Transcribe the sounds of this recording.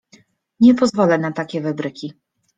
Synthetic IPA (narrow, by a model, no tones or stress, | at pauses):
ɲɛpɔzvɔlɛnat̪akʲɛvɛbɾɘkʲi